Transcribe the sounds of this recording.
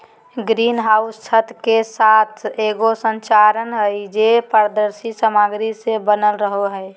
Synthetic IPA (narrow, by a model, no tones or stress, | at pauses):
ɡɾiːnɦaʊssʰət̪kesaːt̪ʰeːɡosə̃nt͡ʃaɾənɦəɪd͡ʒepəɾd̪əɾsisəmaɡɾisebənəlɾəɦoɦəɪ